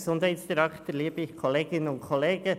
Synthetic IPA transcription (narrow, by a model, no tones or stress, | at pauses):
sʊndhæɪtsd̥iɾækt̪əliːbɪçkʰɔleːɡ̥ɪnənʊntkʰɔleːɡ̥ə